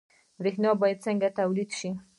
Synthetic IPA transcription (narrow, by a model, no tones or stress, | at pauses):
ɾexnɑbɑjad̪̚t͡səŋɡat̪awlid̪ʃi